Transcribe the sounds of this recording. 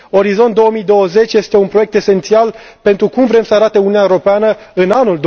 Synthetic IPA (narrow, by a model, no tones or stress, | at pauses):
o̞ɾizo̞nt̪d̪o̞wəmid̪o̞wəze̞t͡ʃʲje̞st̪e̞unpɾoje̞k̚t̪e̞se̞nt̪sial | pe̞nt̪ɾukumvɾe̞msəaɾat̪e̞ununaeoɾopeanə | ɨnanuld̪